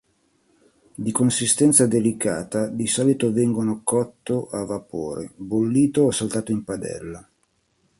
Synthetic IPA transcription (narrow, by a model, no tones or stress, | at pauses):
d̪ikonsist̪ɛnt̪sad̪elikaːt̪ad̪isɔːlit̪ovɛŋɡonokɔt̪ːoʔavːapo̰ːɾḛbolːiːt̪oɔsalt̪aːt̪oimpad̪ɛ̰lːa